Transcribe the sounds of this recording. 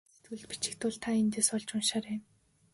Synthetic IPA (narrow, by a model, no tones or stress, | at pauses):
t̪ŭɮt̪̚pi̥t͡ɕɪ̥̆k̚t̪ʊːɮt̪ʰaent̪eːsɔɮt͡ɕʊnʃaːɾem